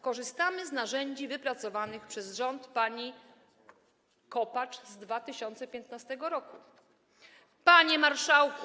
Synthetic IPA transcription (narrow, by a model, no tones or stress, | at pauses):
kɔʐɘst̪amɘznaʐɛɲd͡ʑivɘpɾat̪sɔvanɘxpʂɛzʐɔnt̪paɲi | kɔpat͡ʂzd̪vat̪ɘɕɔnt̪sɛpʲjɛnt̪nast̪ɛɡɔɾɔku | paɲɛmaɾʂawk